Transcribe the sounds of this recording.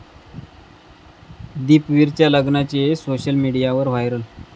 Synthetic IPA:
d̪iːpʋiɾt͡ɕjaləɡnat͡ɕesoɕəlmiɽijaʋəɾʋajɾəl

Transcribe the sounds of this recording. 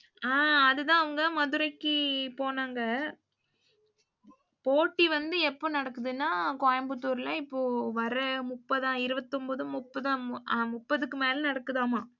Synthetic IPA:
aːɐðɯt̪ãːɐʋɐŋɡɐmɐðɯɾɐɪkːɯpoːnaːŋɡɐ | poːʈːiʋɐnd̪ɯɛpːoːnɐɽɐkːɯðɯnːaːkoːjɐmbɯt̪ːuːɾlɐɪpːoːʋɐɾɐmʊpːɐðãːɪɾɯʋɐt̪ːɔmbɐːðɯ̃mʊpːɐðamʊpːɐðɯkːɯmeːlɐnɐɽɐkːɯðãːmaː

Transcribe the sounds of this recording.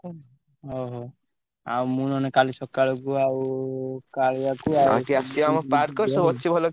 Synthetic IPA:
ɔɦɔ | a̰umunɔnekalisɔkːaɭɔkuawkaɭiakuaa̰ʈiasiɔamɔpaɾkɔɾsobɔtːʃʰibʱɔlɔ

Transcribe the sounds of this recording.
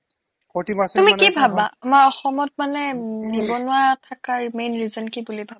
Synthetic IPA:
pɔtibastumikibʱabaamaɹɔxɔmɔt̚manɛnibɔnʊwatʰakaɹmejnɹizɔnkibulibʱaba

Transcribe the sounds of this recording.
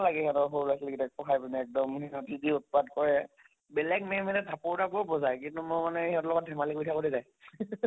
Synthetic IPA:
laɡɛɦɔtɔɦoɹlasleɡitɛkpɔkʰajbinɛɛk̚dɔmɦiɔtidiut̚padkɔɹɛ | bɛlɛkmɛmɛnɛdʱapoɹdabɔɹbɔzajkintumʊɹmanɛiɦɔtlɔɡɔt̚dʱɛmalikojtʰakoɹizaj

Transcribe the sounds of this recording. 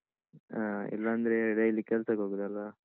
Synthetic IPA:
aɛ̰lːɐːnd̪ɾeɽeilːikːɛlsɐkoːɡud̪ɐlːɐ

